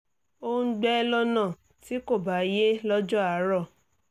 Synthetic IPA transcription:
õ˦˧˦ɡ͡bɛ˦lɔ˧nã˦˨ | ti˨˦ko˦˨ba˨˦je˦lɔ˦d͡ʒɔ˦a˨˦ɾɔ˦˨

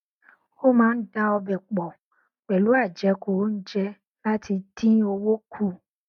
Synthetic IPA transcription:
wo˦mã˦m˦ɖa˦wo˦bɛ˨k͡pɔ˨ | k͡pɛ˨lu˦a˨d͡ʒɛ˨ko˨wo˦n̩˦d͡ʒɛ˦ | la˦t̪ʰi˨t̪ʰi˦wo˦wo˦kʰu˦

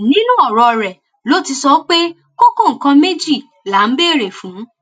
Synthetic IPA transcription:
nĩ˦nũ˦ɔ˦˨ɾɔ˧˨ɾɛ˨ | lo˦ti˧sɔ˦k͡pe˦ | ko˦ko˦˨kã˧me˦d͡ʒi˦˨ | la˨˦n̩˦beː˦˨ɾe˨fũ˨˦

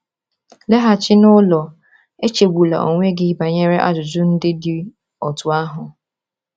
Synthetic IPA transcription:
le˦ɦa˨t͡ʃɪ˦nʊ˦lɔ˨ | e˦t͡ʃe˨ɡʷu˨la̰˨ʔo̰˨ŋʷe˦ɡɪ˦ba˨ɲe˦ɾe˦ʔa̰˦d͡ʒʊ˨d͡ʒʊ˦n̩˦dɪ˦dɪ˨ | ɔ˨tʊ˨a˦ɦʊ˨

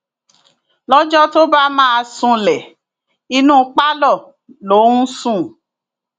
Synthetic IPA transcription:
lɔ˦d͡ʒɔ˦to˦ba˦mãː˦a˧sũ˧lɛ˨ | i˧nũː˦k͡pa˦lɔ˦˨ | lo˨˦n̩˦sũ˦˨

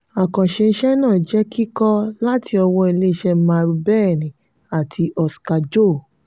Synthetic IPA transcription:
a˨kã˨ʃe˧n̩˦ʃɛ˦nãː˦˨d͡ʒɛ˨˦ki˦kɔ˦la˦tʰi˧ɔ˧wɔ̃˧i˧le˦˧˦ʃɛ˧˦mã˧ɾu˧bɛ˦˨nĩ˨ | a˨tʰi˧ʔɔ˧ska˧d͡ʒo˦˨

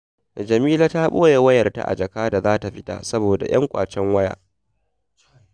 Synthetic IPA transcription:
d͡ʒɐ˨miː˦la˦ta˦ɓoː˦je˨wɐ˦jɐ˨rta̰˦˨ʔa̰˨d͡ʒɐ˨kaː˦da˨zaː˦ta˨ɸɪ˦ta̰˨sɐ˦boː˨da̰˨j̰ɐ̰˦ŋkʷʼa̰ː˨t͡ʃɛ˦ŋwɐ˦ja̰ː˦ʔ

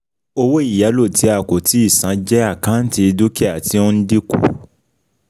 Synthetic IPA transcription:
o˧wo˦i˦˨ja˨˦lo˦˨ti˨˦a˨ko˨ti˨˦i˦˨sã˨˦d͡ʒɛ˦a˦˨kã˨˦n̩˦ti˧du˦kɛ˦a˨ti˨˦õ˦n̩˦di˦kṵ˦˨

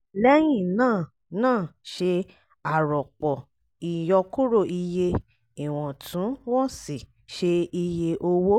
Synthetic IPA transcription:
lɛ˦j̃ĩ˦˨nãː˦˨ | nãː˦˨ʃe˧ | a˨ɾɔ˨k͡pɔ˨ | i˨jɔ˧ku˦ɾo˦˨i˧je˧ | i˨w̃ɔ̃˨tʰũ˨˦wɔ̃˦si˦˨ | ʃe˧i˧je˧ʔo˧wo˦

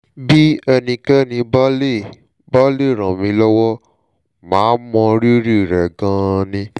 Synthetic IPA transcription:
bi˦ɛ˧nĩ˧kɛ˦nĩ˧ba˦le˦˨ | ba˦le˦˨ɾ̃ã˨mĩ˧˦lɔ˦wɔ˦ | mãː˨˦mɔ̃˧ɾi˦ɾi˦˨ɾɛ˨ɡã˧˦˧nĩ˧

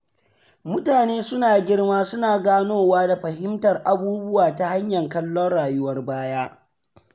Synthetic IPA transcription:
mʊ˦taː˨neː˦sʊ˦naː˨ɡʲɪ˦rmaː˦sʊ˦naː˨ɡaː˦noː˦˨waː˦da˨ɸɐ˨ɦɪ˦mtɐ˨rʔa˨buː˦bʊ˦waː˨ta˦ha˦ɲjɐ˨ŋkɐ˦lːɔ˦nɽaː˨jʊ˦wɐ˦rbaː˦jaː˦

